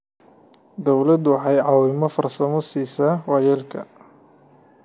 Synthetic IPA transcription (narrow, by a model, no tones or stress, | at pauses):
d̪ɔwlɐd̪wɑħɑjʕɑːwɪmɔfɐrsɐmɔsiːsaːwɑjɛːlkʰɐ̰